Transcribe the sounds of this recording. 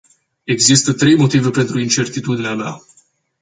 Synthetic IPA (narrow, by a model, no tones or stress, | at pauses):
e̞ɡzist̪ət̪ɾe̞jmo̞t̪ive̞pe̞nt̪ɾuint͡ʃe̞rt̪it̪ud̪ineamea̰